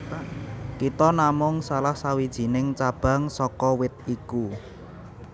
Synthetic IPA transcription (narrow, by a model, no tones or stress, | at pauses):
kit̪ɔnamʊŋsalahsawid̥ʒ̥i̤nɪŋt͡ʃab̥ä̤ŋsɔkɔwɪt̪̚iku